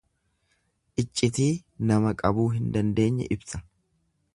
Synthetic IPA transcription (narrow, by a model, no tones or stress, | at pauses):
ʔɪt͡ʃʼːɪt̪iːnɐmɐkʼɐbuːɦɪnd̪ɐnd̪e̞ːɲːɛ̰ʔɪbsɐ̥